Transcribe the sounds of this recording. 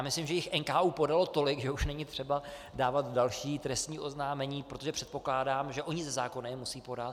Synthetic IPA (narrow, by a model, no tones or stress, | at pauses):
aːmɪslɪmʒɛjɪxʔɛnkaːʔuːpo̞dalo̞t̪o̞lɪɡʒɛuʃnɛɲɪt̪r̝̥ɛba | daːvat̪dalʃiːt̪ɾɛst̪ɲiːʔo̞znaːmɛɲiːpɾot̪o̞ʒɛpr̥ɛt̪̚po̞klaːdaːmʒɛʔo̞ɲɪzɛzaːko̞nɪjɛmusiːpo̞dat̪